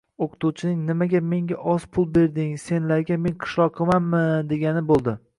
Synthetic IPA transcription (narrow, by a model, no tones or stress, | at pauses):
oqʰɨ̥t̪ʰuwt͡ʃʰɪnɪŋnɪmaɡʲame̞ŋɡʲaʔɒzpʰʊlˠbe̞ɾd̪ɪŋse̞nlaɾɡʲame̞nqʰɨ̥ʃlˠɒqqʰːɨmanmɪd̪e̞ɡʲanɪbolˠd̪ɪ